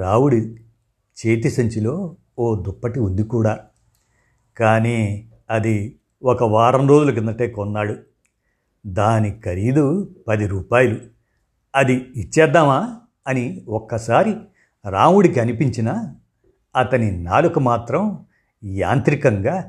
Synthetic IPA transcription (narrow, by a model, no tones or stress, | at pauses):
ɾaːwuɽi | t͡ʃe̞ːt̪̬isɐɲt͡ʃilo̞ː | oːd̪upːɐʈiund̪ikuːɽaː | kaːniː | ɐd̪i | ɔkɐʋaːɾɐmɾoːd͡ʒulukind̪ɐʈe̞ːkɔnːaːɽu | d̪aːnikɐɾid̪upɐd̪iɾuːpaːjɐlu | ɐd̪iːt͡ʃːɛːd̪ːaːmaː | ɐniɔkːɐsaːɾi | ɾaːwuɽikiɐnipiɲt͡ʃinɐ | ɐt̪ɐninaːlukumaːt̪ɾɐm | ja̰ːnt̪ɾikɐŋɡaː